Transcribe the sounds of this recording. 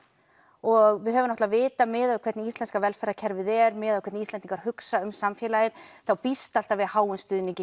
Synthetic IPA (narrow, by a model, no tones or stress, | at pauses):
ɔɣvɪðɦœːvʏnɔht̪lavɪːt̪amɪːðakʰvɛɾt̪nɪist̪lɛnskavɛlfɛɾðacʰɛɾvɪðɛɾmɛːðakʰɛɾt̪ist̪ɛnt̪iŋkaɾ̥hʏksaʏmsamfjɛlajɪðθawpist̪al̥t̪avɪðhaːwʏnst̪ʏːðniŋcɪ